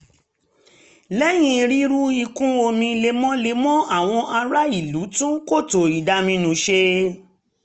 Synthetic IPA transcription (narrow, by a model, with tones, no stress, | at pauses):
lɛ˦j̃ĩ˧˦˧ɾi˦ɾu˦i˧kũ˦o˧mĩ˧le˧mɔ̃˦le˧mɔ̃˦a˦˨w̃ɔ̃˧ʔa˧ɾa˦i˦˨lu˨˦tũ˦ko˦˨to˨i˨da˧mĩ˧nũ˧ʃe˧